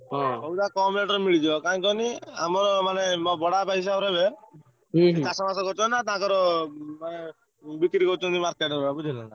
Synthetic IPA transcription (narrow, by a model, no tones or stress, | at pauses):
bɔuʈakɔmeʈɾɔmiɭid͡ʒɔkaĩkɔnia̰mɔɾɔmanembɔɽapais̬aɾɦebe | it̪asɔmasɔkɔɾt͡ʃɔnat̪aãkɔɾɔmane | bikɾikɔɾt͡ʃʰɔnt̪imaɾkeʈɾbabud͡ʒinana